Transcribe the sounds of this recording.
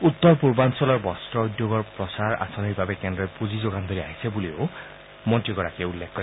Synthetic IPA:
ut̪ːɔɹpuɹbansɔlɔɹbɔstɹɔɔjd̪joɡɔɹpɹɔsaɹa̰sɔniɹbabɛkɛndɹɛpuzizoɡand̪oɹia̰ɦisebulio | mɔntɹiɡɔɹakieulːekʰkːɔ

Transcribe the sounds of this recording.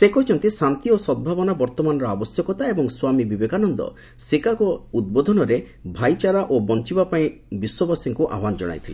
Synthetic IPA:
sekɔt͡ʃʰɔnt̪isant̪iosɔd̪̚bʱabɔnabɔɾt̪ɔmanɔɾɔabɔsjɔkɔt̪aebɔŋswamibibekanɔnd̪ɔ̰ | sekakɔud̪̚bod̪ʱɔnɔɾe | bʱajt͡ʃaɾaʔobɔnt͡ʃibapaĩ | biswɔbɔsiŋkuʔa̰wand͡ʒɔɽ̃a̰jt̪ʰile

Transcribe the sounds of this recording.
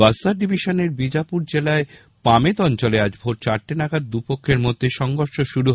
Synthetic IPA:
asaɖibʱiʃoneɾbid͡ʑapuɾd͡ʑelae | pamet̪ɔnt͡ɕolead͡ʑbʱoʈ̚t͡ɕaɾʈenaɡad̪̚d̪upokʰːeɾmod̪ʱːeʃɔŋɡoɾʃoʃuɾu

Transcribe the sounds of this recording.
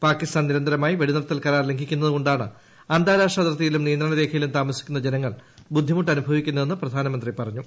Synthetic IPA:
paːkːist̪aːnniɾɐnd̪ɐɾɐmaːjiʋeɽinɐɽɐt̪ːɐlkɐɾaːrleŋɡʱikʲːunːɐðukoɳɖaːɳɨ̰ | ɐnd̪aːɾaːʂɐt̪rɐt̪ːijilumnijɐnd̪rɐɳɐɾe̞ːkʰɐjilumt̪aːmɐsi̥kʲːunːɐd͡ʑe̞nɐŋːɐɭbud̪ʱːimuʈːɐnubʱɐʋikʲːunːɐðe̞nːɨprɐd̪ʱaːnɐmɐnd̪ripɐrɐɲːu

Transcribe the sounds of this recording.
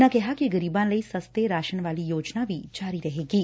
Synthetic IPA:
nãkɛɦakeɡəɾibãnləisəst̪eɾaʃəɳʋalijod͡ʒnaʋit͡ʃaɾiɾəɦeɡiː

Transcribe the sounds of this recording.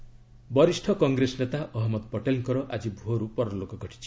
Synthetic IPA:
bɔɾisʈʰɔkɔŋɡɾesnet̪aʔɔɦɔmɔd̪pɔʈelŋkɔɾɔʔad͡ʒibʱuɦɔɾupɔɾɔlokɔɡʱɔʈʰi̥t͡ʃʰi̥

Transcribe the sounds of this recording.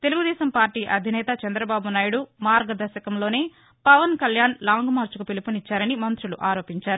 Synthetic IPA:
t̪e̞luɡud̪ɛːʃɐmpaːɾʈiːʔɐd̪ʱinɛːt̪ɐt͡ʃɐnd̪ɾɐbaːbunaːjuɽumaːɾɡɐd̪ɐɾʃɐkɐmlo̞ːne̞ː | pɐʋɐnkɐljaːnlaːŋɡmaːɾt͡ʃukupilipunit͡ʃːaːɾɐnimɐnt̪ɾuluʔaːɾo̞ːpiɲt͡ʃaːɾu

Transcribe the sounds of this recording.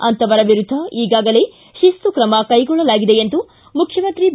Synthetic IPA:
ɐnt̪ɐʋɐɾɐʋiɾud̪ʱːɐiːɡaːɡɐle̞ː | ʃist̪ukɾɐmɐkɐjɡɔɭːɐlaːɡid̪e̞jent̪u | mukʰjɐmɐnt̪ɾib

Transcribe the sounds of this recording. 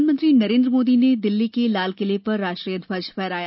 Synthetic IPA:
nmə̃nt̪ɾinɐɾẽːnd̪ɾəmoːd̪ined̪ɪlːikelaːlkɪlepɐɾːaːʃʈɾijət̪bɐd͡ʒpɛːɾaːja

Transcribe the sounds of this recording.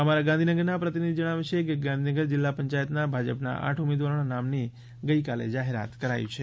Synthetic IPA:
əmaɾaɡand̪ʱinəɡəɾnapɾət̪inid̪ʱid͡ʒəɽ̃aʋet͡ʃʰekeɡãnd̪ʱinəɡəɾd͡ʒɪlːapəɲt͡ʃajət̪nabʱad͡ʒəpna̰ʔa̰ʈʰumed̪ʋaɾoɽanamni | ɡəikalḛd͡ʒaɦeɾa̰t̪kəɾa̰jṵ̃t͡ʃʰe

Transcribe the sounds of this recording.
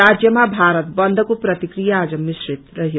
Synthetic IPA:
aːd͡ʒjəmãbʱaːɾət̪bɐnd̪ʱkupɾɐt̪ikɾijaːd͡ʒɐmːisɾit̪ɾɐɦi

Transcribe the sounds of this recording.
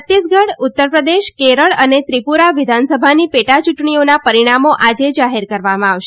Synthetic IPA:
t̪ːisɡəɽʊt̪ːəɾpɾəd̪eʃkeɾəɭənet̪ɾipuɾaʋɪd̪ʱansəbʱanipeʈat͡ʃuʈɳionapəɾiɽ̃amoʔad͡ʒed͡ʒaɦeɾkəɾʋamãaʋʃe

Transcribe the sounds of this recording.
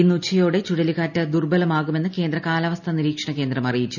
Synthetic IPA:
inːut͡ɕʰːɐjoːɽe̞t͡ɕuɽɐliɣaːtːɨd̪urbɐlɐmaːɣume̞nːɨke̞ːnd̪rɐkaːlɐʋɐst̪ʰɐniɾiːkʂɐɳɐke̞ːnd̪rɐmɐrijit͡ɕːu

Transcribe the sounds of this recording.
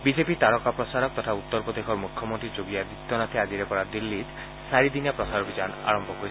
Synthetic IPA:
bid͡ʒepit̪aɽɔkapɾɔsaɾɔk̚t̪ɔt̪ʰaut̪ːɔɾpɔd̪ekʰɔɾmukʰjɔmont̪ɾid͡ʒoɡiad̪it̪ːɔnat̪ʰiad͡ʒiɾepɔɽad̪ilːit̪ | saɾid̪injapɾɔsaɾobid͡ʒana̰ɾɔmbʱɔkoɾi

